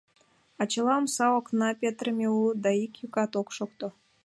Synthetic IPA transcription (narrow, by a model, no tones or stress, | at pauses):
ɑt͡ɕəlˠɑmsɑoknɑpʲet̪rəmʲeulˠd̪ɑikjukɑt̪okʃokt̪o